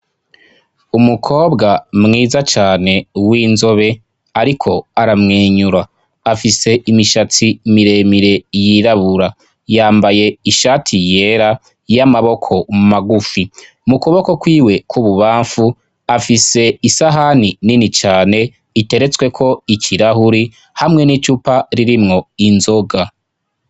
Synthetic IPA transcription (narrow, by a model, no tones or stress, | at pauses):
umukʰo̞ːbɡamŋiːzat͡ʃaːne̞wiːnzo̞βe̞ | aɾikʰo̞aɾamŋeːɲuɾaː | fise̞ʔimiʃat͡simiɾe̞miɾe̞jiɾaβuɾa | jaːmbaje̞iʃaːtʰije̞ɾa | jamaβo̞kʰo̞maɡufi | mukuβoko̞kwiːwe̞kwuβuβaːɱfu | afise̞isaɦanininit͡ʃaːne̞ | ite̞ɾe̞t͡swe̞kʰo̞icʰiɾahuɾi | hamŋe̞nit͡ʃupaɾiɾimŋo̞inzo̞ɡa